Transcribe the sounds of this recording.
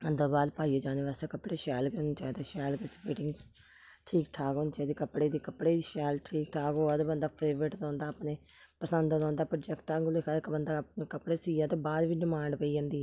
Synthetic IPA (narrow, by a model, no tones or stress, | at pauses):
ənd̪əɾbaːd̪paːieːd͡ʒãːneːʋɛːst̪ekəpːɽeːʃɛːlkeont͡ʃaːd̪aːʃɛːlkespeːʈɪ̃ŋɡs | ʈʰiːkʈʰaːkoːnt͡ʃaːd̪iːkəpɽeːd̪iːkəpɽeːd̪iːʃɛːlʈʰiːkʈʰaːkoːəd̪bənd̪aːpʰeːʋɾɪʈd̪ɔ̃ːnd̪aːpneː | pəsə̃nd̪d̪ɔ̃ːnd̪aːpɾəd͡ʒɛkʈːaːɡlekʰaːɪkbənd̪aːp̚neːkəpɽeːsiːjãːt̪oːbaːd̪ʋiːɖɪmãːɳɖpəiːãːnd̪iːɛː